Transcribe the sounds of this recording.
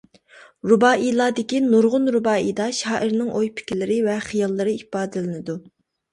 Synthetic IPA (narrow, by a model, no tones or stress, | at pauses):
ɾubɑːʔilˠɑːd̪ɪkʲinuɾʁʊnɾubɑːijd̪ɑʃɑːʔɪɾnɪŋʔojpʰɪ̥kʲilɪɾɪvɛχɨjɑlˠːɨɾɨipɑːd̪ɪlɪnɪd̪u